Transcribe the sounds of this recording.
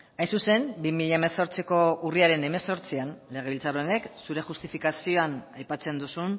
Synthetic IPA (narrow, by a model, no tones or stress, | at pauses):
ajnsuse̞mbimiʎaemeso̞ɾt͡siko̞uriaɾe̞ne̞me̞so̞ɾt͡sianle̞ɣe̞ilt͡saɾone̞ksuɾe̞xust̪ifikasio̞anajpat͡se̞nd̪usun